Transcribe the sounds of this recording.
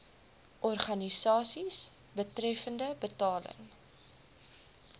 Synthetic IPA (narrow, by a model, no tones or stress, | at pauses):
ʔɔrχɐnisɑːsis | bətɾɛfəndəbətɑːlə̰ŋ